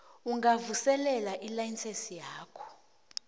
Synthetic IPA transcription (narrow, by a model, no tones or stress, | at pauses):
uŋɡavusɛlɛlaʔilajinsesijaːkʰɔ̥